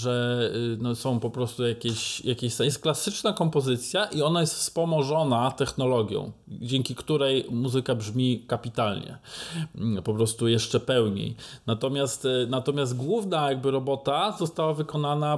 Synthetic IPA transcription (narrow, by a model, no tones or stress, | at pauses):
ʐɛnɔsɔ̃w̃pɔpɾɔst̪ujakʲeɕjakʲeɕsjɛst̪̚klasɘt͡ʂnakɔmpɔzɘt̪sʲjaʔiɔnajɛst̪fspɔmɔʐɔnat̪ɛxnɔlɔɡʲjɔ̰̃w̃d͡ʑɛŋkʲikt̪uɾɛjmuzɘkabʐmʲikapʲit̪alɲɛ̰ | pɔpɾɔst̪ujɛʂt͡ʂɛpɛwɲḛjnat̪ɔmʲjast̪nat̪ɔmʲjazt̪ɡwuvnajaɡ̚bɘɾɔbɔt̪azɔst̪awavɘkɔnana